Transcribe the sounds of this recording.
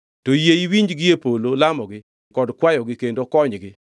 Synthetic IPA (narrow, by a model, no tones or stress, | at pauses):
tojeiwiɲd͡ʒɡɪepololamɔɡɪ | kɔdkwajɔɡɪkendokɔɲɡɪ